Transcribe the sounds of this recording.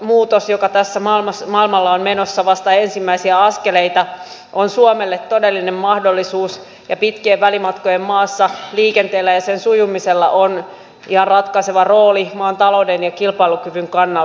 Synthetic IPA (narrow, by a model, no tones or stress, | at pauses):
muːt̪osjokɑt̪æsːæmɑlmɑsmɑilmɑlːɑonmenosːɑʋɑst̪ɑensimːæisiæɑskeleit̪ɑ | ʔonsuomelːet̪t̪ːodelːinemmɑhdolːisuːs | jɑpit̪kiːʋʋælimɑt̪kojemmɑːsːɑliːkent̪eːlːæjɑsensujumiselːɑ̰ʔon | ihɑnrɑt̪kɑiseʋɑro̞ːlimɑːnt̪ɑlo̞udenjɑkilpɑilukyʋyŋkɑnːɑ